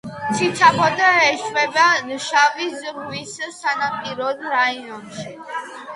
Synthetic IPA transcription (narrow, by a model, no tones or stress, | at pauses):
t̪sʰit̪sʰaχɔd̪aɛʃwɛbanʃavisʁwissanapʼiɾɔd̪ɾaiɔnʃi